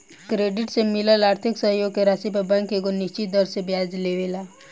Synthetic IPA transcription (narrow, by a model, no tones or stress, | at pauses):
kɾeːɖɪʈsemɪləlaːɾt̪ʰɪksəɦjoɡkeɾaːsipəbə̃ŋkeɡoniʃt͡ʃit̪̚d̪əɾsebjaːd͡ʒleʋeːla